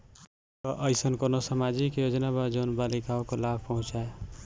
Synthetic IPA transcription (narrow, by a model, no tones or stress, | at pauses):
t̪ɔʔəjsənkonosamad͡ʒikjod͡ʒnabəd͡ʒonbalikaokolab̚ʱpəɦũt͡ʃae